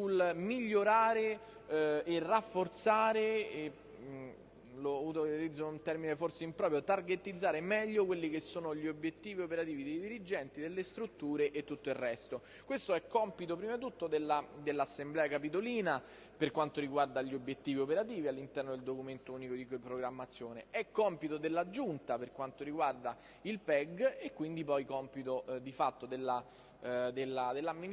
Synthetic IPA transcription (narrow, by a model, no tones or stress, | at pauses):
sulmiʎːoɾaːɾeː | rːafːort̪saːɾe | loawt̪oɾt̪id̪zːount̪ɛrmineforseimpɾɔpɾjot̪arɡet̪ːid̪zːaːɾemɛʎːokwelːik̟esːoːnoʎːiobjet̪ːiːviopeɾat̪iːvid̪ejd̪iɾid͡ʒɛnt̪id̪elːest̪ɾut̪ːuːɾeʔet̪ːut̪ːoirːɛst̪o | kwest̪oɛkːɔmpit̪̬opɾimat̪ːut̪ːod̪elːad̪elːasːemblɛːakap̬it̪̬oliːna | perkwant̪oɾiɡward̪aʎːiobːjet̪ːiːviopeɾat̪iːvialːint̪ɛrnod̪eld̪okument̪ouːnikod̪ikpɾoɡɾamːat̪sːjoːneɛkːɔmpit̪od̪elːad͡ʒːunt̪aperkwant̪oɾiɡward̪a | ilpɛɡekːwind̪ipɔjkɔmpit̪od̪ifat̪ːod̪elːa | d̪elːad̪elːamːin